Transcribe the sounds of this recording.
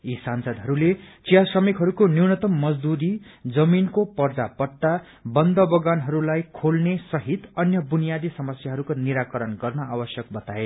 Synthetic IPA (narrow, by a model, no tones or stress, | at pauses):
isansʌd̪ɦʌɾulet͡sijasrʌmikɦʌɾukoniwnʌt̪ʌmːʌd͡zd̪uɾid͡zʌminkopʌrd͡zapʌʈːa | bʌnd̪ʌbʌɡanɦʌɾulajkʰolnesʌɦit̪ʌnjʌbunijad̪isʌmʌsjaɦʌɾukoniɾakʌɾʌnɡʌrnʌawʌsjʌk̚bʌt̪ae